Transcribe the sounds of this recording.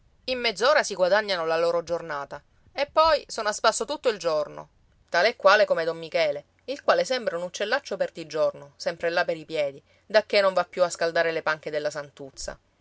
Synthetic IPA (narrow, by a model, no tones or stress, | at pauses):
imːed̪zːoːɾasiɡwad̪aɲːanolaloːɾod͡ʒornaːt̪a | epːɔjsoːnoaspasːot̪ut̪ːoild͡ʒorno̰ | t̪aːleekːwaːlekomed̪ɔmːikɛːle | ilkwaːlesɛmbɾaunut͡ʃːelːat͡ʃːopert̪id͡ʒornosɛmpɾelːapeɾipjɛːd̪i | d̪akːenoɱvapːjuaskald̪aːɾelepaŋk̟ed̪elːasant̪ut̪sa̰